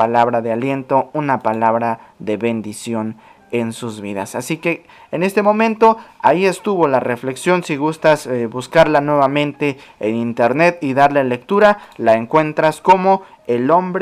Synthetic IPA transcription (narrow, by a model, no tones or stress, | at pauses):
alaβɾaðealje̞nt̪o̞unapalaβɾaðe̞βe̞nd̪isjo̞n | ensuzβiða̰sasike̞ː | ne̞st̪e̞mõ̞mẽnt̪o̞aie̞st̪uβo̞lare̞fle̞ksjo̞nsiɣust̪asbuskaɾlanwe̞βamẽ̞nt̪e̞ː | nint̪e̞ɾne̞t̪̚iðaɾle̞le̞k̚t̪uɾalaeŋkwe̞nt̪ɾasko̞mo̞ | elo̞mbɾ